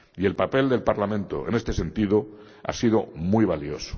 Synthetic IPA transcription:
ie̞lpape̞ld̪e̞lpaɾlamẽ̞nt̪o̞̰ene̞st̪e̞se̞nt̪iðo | a̰sið̞o̞muijβ̞alio̞so̥

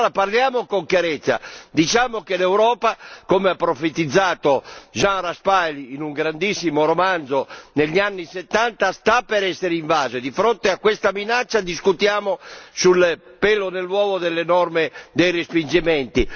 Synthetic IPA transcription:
ɾaparljaːmokoŋkjaɾɛt̪sːa̰d̪it͡ʃaːmokelɛwɾɔːpakomeapːɾofet̪ːid̪zːaːt̪oʒãnɾaspajliːnuŋɡɾand̪isːimoɾomand̪zoneʎːianːiset̪ːant̪ast̪apːɛɾɛsːeɾiɱvaːzed̪ifɾont̪eakːwest̪aminat͡ʃːad̪iskut̪jaːmosulpɛlonelːwɔːɡod̪elːenɔrmed̪ejrespind͡ʒimɛnt̪i

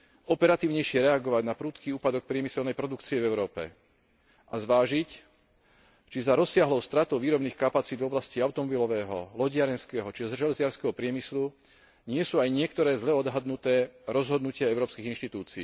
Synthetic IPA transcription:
ʔɔpɛɾat̪iːʊɲɛjʃɪɛɾɛaɡɔʋaɟnapɾuːt̪kiːuːpad̪ɔk̚pɾɪɛmisɛlnɛjpɾɔd̪ukt͡siɛvɛʊɾɔːpɛ̰ | ʔazʋaːʒic | t͡ʃizaɾɔsːɪaɦlɔʊst̪ɾat̪ɔʊʋiːɾɔbniːxkapat͡siːd̪vɔblasciaʊt̪ɔmɔbilɔʋɛːɦɔ̰lɔɟɪaɾɛnskɛːɦɔt͡ʃiɔzʒɛlɛzɪaɾskɛɦɔpɾɪɛmislu | ɲɪɛsuːajɲɪɛkt̪ɔɾɛːzlɛɔd̪ɦad̪nut̪ɛːɾɔzɦɔd̪nucɪaɛʊɾɔːpskiɣinʃt̪it̪uːt͡siː

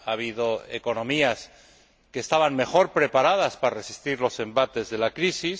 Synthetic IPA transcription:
aβ̞iðo̞ḛko̞nõ̞mias | keːst̪aβaŋme̞xo̞ɾpɾe̞paɾað̞aspaɾare̞si̥st̪iɾlo̞se̞mbat̪e̞zðe̞lakɾisis

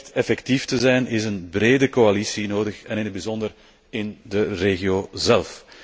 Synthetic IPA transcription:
tɛfɛktiftəzɛjnɪsənbreːdəkoalisinoːdəxɛnɪnɦəd̚bizɔndər | ɪndəreːɣioːzɛlˠf

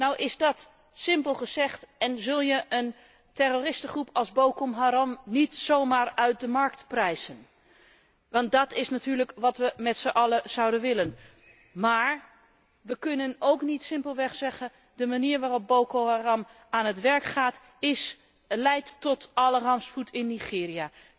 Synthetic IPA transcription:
nɔwʔɪzdɑt | sɪmpəlˠχəzɛχtɛnzɵlˠjəʔən | tɛrorɪstəχrupɑlˠzbowkomɦaɾɑmnitsowmaːɹœɥt̚dəmɑɹk̚tprɛjz̥ən | ʋɑnt̚dɑtɪsnatyːɹləkʋɑtʋəmɛtsəʔɑləz̥ɑwdənʋɪlən | maːɹ | ʋəkɵnənowknitsɪmpəlˠʋɛχsɛχən | dəmaniːɹʋaːrɔb̚bowkoɦarɑm | aːnɦətʋɛɹkχaːt | ɪs | lɛjttɔtɑlərɑmsputʰɪnːiχɪːɾija

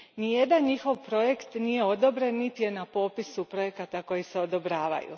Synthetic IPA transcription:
nije̞d̪anɲixo̞ʋpɾo̞je̞kt̪nije̞o̞d̪o̞bɾenːit̪ije̞napo̞pisupɾo̞je̞kat̪ako̞jise̞o̞d̪o̞bɾaːʋa̰jṵ

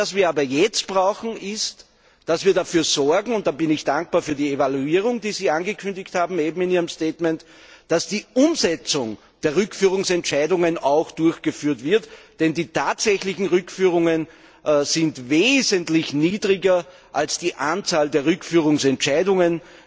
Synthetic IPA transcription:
asviːɐaːbɐjɛt͡st̚b̥ʁaʊxn̩ɪst | d̥asviːɐdafyːɐz̥ɔɐɡŋ̩ʊnt̚d̥aːbɪnɪçd̥aŋk̚b̥aːɐfyːɐdiːevaluiːʁ̞ʊŋdiːziːanɡəkʰʏndɪçthaːbm̩eːbm̩ɪniːʁəmsteːtmɛnt | d̥asd̥iːʔʊmzɛt͡sʊŋ | d̥eːɐʁʏkfyːʁ̞ʊŋsɛntt͡ʃæɪdʊŋənaʊxd̥ʊɐçɡ̥əfyːɐtv̥ɪɐtd̥ɛndiːtʰaːtsɛçlɪçn̩ʁʏkfyːʁ̞ʊŋən | zɪntveːzəntlɪçniːdʁɪɡɐ | ʔalsd̥iːʔant͡saːldeːɐʁʏkfyːʁ̞ʊŋsɛntt͡ʃæɪdʊŋən

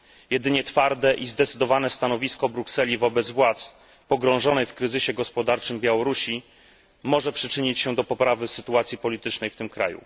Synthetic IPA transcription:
jɛd̪ɘɲɛt̪faɾd̪ɛʔizd̪ɛt̪sɘd̪ɔvanɛst̪anɔvʲiskɔbɾuksɛlʲivɔbɛd̪zvwat̪s | pɔɡɾɔ̃w̃ʐɔnɛjfkɾɘzɘɕɛɡɔspɔd̪aɾt͡ʂɘmbʲjawɔɾuɕi | mɔʐɛpʂɘt͡ʂɘɲit͡ɕɕɛd̪ɔpɔpɾavɘsɘt̪uat̪sʲjipɔlʲit̪ɘt͡ʂnɛjft̪ɘmkɾa̰jṵ

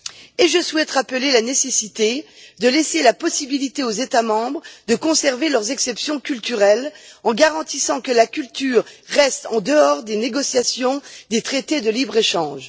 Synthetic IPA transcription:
eʒəswɛt̪ʁapəlelanesesit̪ed̪əleselapɔsibilit̪eozet̪amɑ̃bʁd̪əkɔ̃sɛʁvelœʁzɛksɛpsjɔ̃kʲylt̪yʁɛlɑ̃ɡaʁɑ̃t̪isɑ̃kəlakʲylt̪yːʁːɛst̪ɑ̃d̪əɔʁd̪eneɡɔsjasjɔ̃d̪et̪χet̪ed̪əlibʁeʃɑ̃ʒ

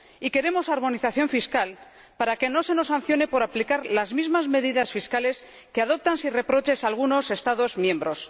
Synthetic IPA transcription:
ike̞ɾe̞mo̞saɾmo̞niθaθjo̞ɱfiskal | paɾake̞nose̞no̞san̟θjo̞ne̞po̞ɾaplikaɾlazmizmazme̞ðiðasfiskale̞s | ke̞aðo̞p̚t̪ansire̞pɾo̞t͡ʃe̞salɣuno̞se̞st̪aðo̞zmjẽ̞mbɾo̞s

